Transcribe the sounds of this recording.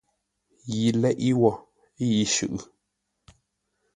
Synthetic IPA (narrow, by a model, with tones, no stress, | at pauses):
ji˨lɛ˦ʔi˦wɔ˦˨ | i˦ji˨˦ʃʉ̰˨ʔ